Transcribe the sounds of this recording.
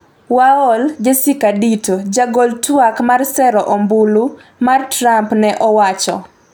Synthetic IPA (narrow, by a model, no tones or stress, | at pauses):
waɔld͡ʒesikaditod͡ʒaɡoltwakmarsɛɾɔʔɔmbulu | martɾampnɛʔɔwat͡ʃɔ̰